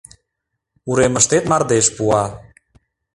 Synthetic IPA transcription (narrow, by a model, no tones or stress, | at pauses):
uɾemə̆ʃt̪et̪mɑrd̪eʃpuɑ